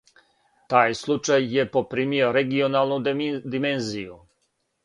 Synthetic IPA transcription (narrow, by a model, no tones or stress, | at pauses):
t̪aːjslˠut͡ʃajːepopɾiːmioɾeɡionaːlˠnud̪imenziju